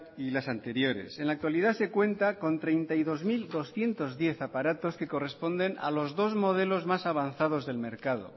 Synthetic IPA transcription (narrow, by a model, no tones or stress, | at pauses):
ilasant̪e̞ɾjo̞ɾe̞̰se̞nlak̚t̪waliðase̞kwe̞nt̪ako̞nt̪ɾe̞jnt̪aiðo̞zmild̪o̞sθje̞nt̪o̞zðje̞θapaɾat̪o̞skeko̞re̞spo̞nd̪e̞na̰lo̞zðo̞zmo̞ð̞e̞lo̞zmasaβ̞anθaðo̞zðe̞lme̞ɾkaðo̞̰